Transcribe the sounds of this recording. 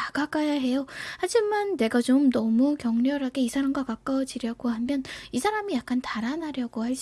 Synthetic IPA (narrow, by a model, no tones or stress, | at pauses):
aɡak͈ajaɦe̞johad͡ʑimanːe̞ɡat͡ɕomnʌmukjʌŋɲʌɾɦaɡe̞isʰaɾamɡwakak͈awd͡ʑiɾjʌɡohamjʌnisʰaɾamijak̚k͈antaɾanɦaɾjʌɡohaɭɕ͈